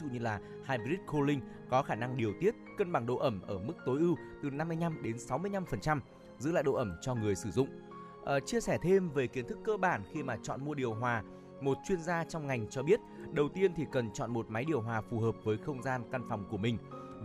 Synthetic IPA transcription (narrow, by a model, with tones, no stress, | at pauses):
zṵ˧˨ɲɨ˧laː˨˩ | haː˧jmi˧ɾi˦˥t̚ko˧lï˧ŋ | kɔ˨˦xaː˧˩na˧ŋɗi˨˩əwt̪i˦˥ət̚kə˧nɓa˨˩ŋɗo̰˧˨ʔə˧˩mʔəː˧˩mɨ˦˥k̚t̪o˨˦jʔɨ˧wt̪ɨ˨˩na˧mː˧əjɲna˧mɗe˨˦nsa˨˦wmɨ˧əjna˧mfə˨˩nt͡ɕa˧m | zɨ̰˧˥la̰ː˧˨jɗo̰˧˨ʔə˧˩mt͡ɕɔ˧ŋɨ˨˩əjsɨ˧˩zʊ̰˧˨ŋ͡m | ʔə˨˩t͡ɕi˧əsɛ˧˩t̪ʰe˧mve˨˩ki˨˦ənt̪ʰɨ˦˥kːəː˧ɓaː˧˩nxi˧maː˨˩t͡ɕɔ̰˧˨nmu˧əɗi˨˩əwɦwaː˨˩ | mo˨˩t̚t͡ɕwi˧ənzaː˧t͡ɕɔ˧wŋ͡mŋa˨˩jŋ̟t͡ɕɔ˧ɓi˦˥ət̚ɗə˨˩wt̪i˧ənt̪ʰi˨˩kə˨˩nt͡ɕɔ̰˧˨nmo˨˩t̚ma˨˦jɗi˨˩əwɦwaː˨˩fu˨˩həː˨˩p̚vəː˨˦jxə˧wŋ͡mzaː˧nka˧nfa˨˩wŋ͡mku˧˩əmï˨˩ŋ̟